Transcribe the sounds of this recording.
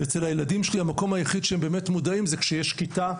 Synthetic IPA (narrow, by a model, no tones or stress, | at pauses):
et͡selhajeladimʃelihamako̞mhajaχid̪ʃeembe̞ːmetmudaimzekʃejeʃkita